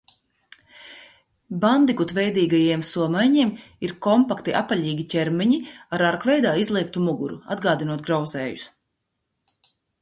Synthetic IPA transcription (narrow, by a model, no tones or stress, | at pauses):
band̪ikut̪vɛjd̪iːɡajiɛmsuɔmajɲiɛm | iɾkɔmpakt̪iʔapːaʎʲiːɡʲicʲɛɾmɛɲiaɾaɾkvɛjd̪aːizlˠiɛk̚t̪umuɡuɾṵa̰d̪ɡaːd̪inuɔt̪̚ɡɾawzɛːjus